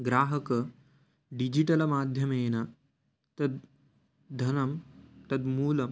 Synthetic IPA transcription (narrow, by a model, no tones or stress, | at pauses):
ɡɾaːɦɐkɐ | ɖid͡ʑiʈɐlɐmaːd̪ʱjɐmeːna | t̪ɐd̪̚ | d̪ʱɐnɐmt̪ɐd̪muːlɐm